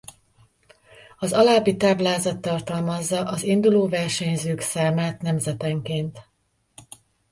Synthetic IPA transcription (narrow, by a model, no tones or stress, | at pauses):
ɒzɒlaːbːit̪aːblaːzɒt̪ːɒrt̪ɒlmɒzːɒʔɒzind̪uloːvɛrʃɛɲzøːksaːmaːt̪nɛmzɛt̪ɛŋkeːnt̪